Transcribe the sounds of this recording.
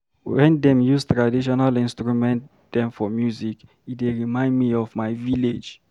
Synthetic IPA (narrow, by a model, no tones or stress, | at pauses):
wɛ̃ndɛ̃mjuztɹadiʃɔnalĩnstɹumɛ̃nt | dɛ̃mfɔmjuzik | ideɹimãɪ̃ndmiɔvmaɪviled͡ʒ